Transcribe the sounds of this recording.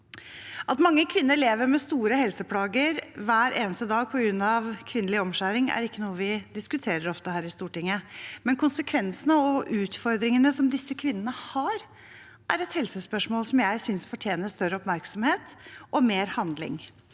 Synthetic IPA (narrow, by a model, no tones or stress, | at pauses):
ʔɑt̪mɑŋːəkʰʋɪnːəɾɭeːʋəɾmɛst̪uːɾəhɛlsəpʰlɑːɡəɾʋæːɾʔeːnəst̪əd̪ɑːɡ̚pʰɔɡɾʉnːɑʋkʰʋɪnəlɪɔmʂæːɾɪŋæ̰ɾɪkːənuːəʋɪd̪ɪskʉt̪ʰeːɾəɾɔft̪əhæːɾɪst̪uːʈɪŋːəmɛnkʊnsəkʰʋɛnsənəɔʔʉːt̪fɔɾd̪ɾɪŋənəsɔmd̪ɪsːəkʰʋɪnːənəhɑɾ | ʔæɾɛt̪hɛlsəspœʂmoːlsɔmjæɪsʏnsfɔʈʰjeːnəst̪œɾəɔpmæɾksɔmheːt̪ʔɔmeːɾhɑnd̪lɪ̰ŋ